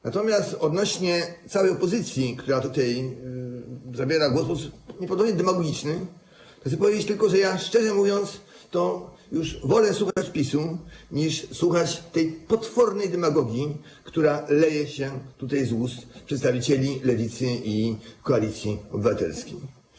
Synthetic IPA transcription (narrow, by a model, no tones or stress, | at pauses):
nat̪ɔmʲjast̪ɔd̪nɔɕɲɛt̪sawɛjɔpɔzɘt̪sʲjikt̪uɾat̪ut̪ɛj | zabʲjeɾaɡwɔspɔsupɲɛp̬ɔd̪ɔbɲɛd̪ɛmaɡɔɡʲit͡ʂnɘ | asɛp̬ɔvʲjed͡ʑet͡ɕt̪ɘlkɔʐɛjaʂt͡ʂɛʐɛmuvʲjɔnt̪s | t̪ɔ | juʐvɔlɛswuxaat͡ɕpʲisuɲiʂswuxat͡ɕt̪ɛjpɔt̪fɔɾnɛjd̪ɛmaɡɔɡʲji | kt̪uɾalɛjɛɕɛt̪ut̪ajzwust̪pʂɛt̪st̪avʲit͡ɕɛlʲilɛvʲit̪sɘikɔalʲit̪sʲjiɔbɘvat̪ɛ̰lskʲej